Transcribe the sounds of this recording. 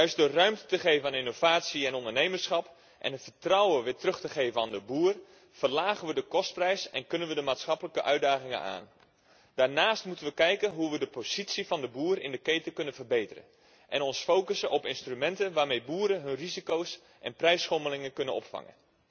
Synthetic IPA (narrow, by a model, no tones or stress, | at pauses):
jœɥsdərœɥmtətəχejvənaːnɪnowv̥aːtsiɛnɔndərnejmərsχɑp | ʔɛ̰nɦətfərtrɔwəʋɪtrɵχtəχeːvənaːndəbuːr | fərlaːχənʋədəkɔst̚prɛjsɛnkɵnənʋədəmaːtsχɑpələkəʔœɥdaːχɪŋə̰na̰ːn | d̥aːɹnaːstmutənʋəkɛjkənɦuʋədəpoz̥itsifɑndəbuːɾɪ̰ndəkejtəkɵnənvərbejtərə̰n | ʔɛnɔnsfowkəsəʔɔpɪnstrymɛntənʋaːrmejbuːɾəɦɵnrizikows | ʔɛ̰nprɛjsχɔməlɪŋəkɵnənɔ̰pfɑ̰ŋə̰n